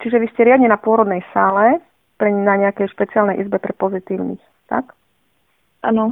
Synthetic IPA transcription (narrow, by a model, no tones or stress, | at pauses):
t͡ʃiʒɛʋiscɛɾɪad̪ɲɛnapʊɔɾɔd̪nɛjsaːlɛ | pɾɛnaɲɛakɛjʃpɛt͡sialnɛjʔizbɛpɾɛpɔzit̪iːʊnḭx | t̪a̰k | ʔa̰nɔ